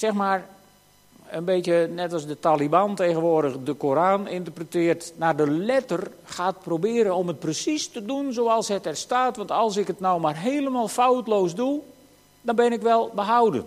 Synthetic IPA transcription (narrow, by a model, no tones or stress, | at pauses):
sɛxmaːr | ənbeːtjənɛtɑsdətaːlibanteɣənʋoərdəxdəkoɾaːnɪntərprətɪːərtnaːdəlɛtər | xaːt̚probɪːɾənɔmət̚prəsistədunzoːɑlˠsɦɛtɛrstaːtʋɔntɑlˠs̬ɪkətnawmarɦeːləmaːlˠfawtloːsdu | dɔnbɪnɪkʋɛlˠbəɦawdə̰n